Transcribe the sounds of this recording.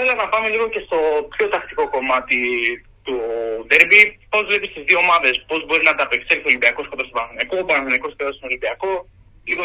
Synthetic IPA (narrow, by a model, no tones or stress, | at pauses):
θelenɐpɐme̞liɣo̞ɲce̞st̪o̞pço̞t̪ɐkt̪i̥ko̞ko̞mɐt̪i | t̪udeɾbipo̞zvle̞pist̪izðio̞ːmɐðe̞spo̞zbo̞ɾinɐt̪ɐpekseɾθo̞limbiɐko̞skop̪ɐstopɐnθonɐkoːbɐnɐθinɐko̞skotosino̞limbiɐko̞ | liɣo